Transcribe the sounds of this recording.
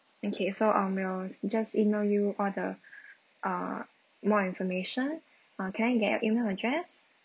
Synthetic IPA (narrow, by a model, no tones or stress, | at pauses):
okʰesoʔʌ̃mwild͡ʒasimeljuʔɔldə | ʔʌ̃ | mɔĩnfɔmeʃə̃n | ʌ̃kʰɛ̃najɡɛtɔ̰ʔimelədɹɛs